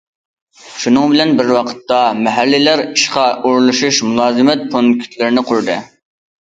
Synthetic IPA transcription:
ʃunɨŋbɪlɛnbɪɾwɑqʰə̥t̪ːɑmɛɦælːɪlæɾiʃqɑʔuɾlˠuʃuʃmulˠɑːzɨmɛt̪̚pʰonkʲʰy̥t̪ʰlɪɾɪnɪqʰʊɾd̪ɨ̰

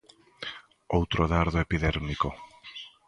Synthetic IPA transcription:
owt̪ɾoðaɾðoepiðɛɾmiko

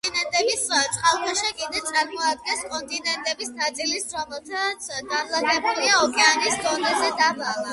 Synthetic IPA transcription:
inɛnt̪ʼɛbist̪sʼχʼalˠk̪ʰaʃɛkʼid̪ɛt̪sʼaɾmɔad̪̚ɡɛnskʼɔnt̪ʼinɛnt̪ʼɛbisnat̪sʼilisɾɔmɛlˠt̪ʰat̪sʰɡanlˠakʼɛbuliaɔkʼɛanisd̪ɔnɛzɛd̪abalˠa

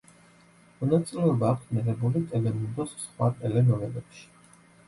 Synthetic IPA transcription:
mɔnat̪sʼilɛɔbaːkʰsmiʁɛbulit̪ʼɛlɛmund̪ɔssχwat̪ʼɛlɛnɔɾɛbɛpʃi̥

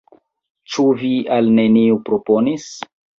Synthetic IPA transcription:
t͡ʃuvialne̞niupɾo̞po̞nis

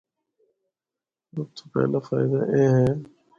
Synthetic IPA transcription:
ɾəbt̪ʰopɛ̰ːlaːfaːɪd̪aːʔẽːɦɛ̃ː

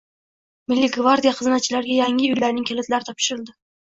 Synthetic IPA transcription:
mɪlʲːɪɡvaɾd̪ʲijaqʰɨznat͡ʃʰɪlaɾɡʲajaŋɪʊjlaɾnɪŋkʲʰelɪt̪laɾɪt̪ʰɒpʃɪɾɪld̪ɪ

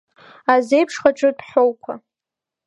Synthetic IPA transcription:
azejpʰʂχaʈ͡ʂʷʼɨdħʷowkʷʰa

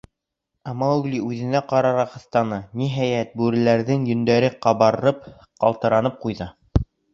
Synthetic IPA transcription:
ɑmɑɣliʉðɘ̆næqɑɾɑɾɑχɤ̆θt̪ɑnɤniɦæjæt̪̚bʉɾɘ̆læɾðɘŋjɵ̆nd̪æɾɘqɑβɑɾɤɾɤp̚ | qɑ̰lˠt̪ɤ̆ɾɑnɤp̚qujðɤ

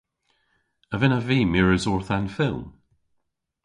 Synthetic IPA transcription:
əvɪnəviːmɪɹəzɔɹθãnfɪlˠm

